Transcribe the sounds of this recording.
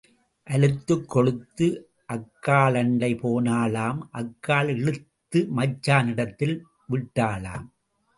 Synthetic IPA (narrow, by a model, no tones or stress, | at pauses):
ʔɐlɯt̪ːɯkːɔɽɯt̪ːɯ | ʔɐkːaːɭɐɳɖɐɪpoːnaːlaːmʔɐkːaːlɛɻɯt̪ːɯmɐt͡ʃːaːnɪɽɐt̪ːɪl | ʋɪʈːaːla̰ːm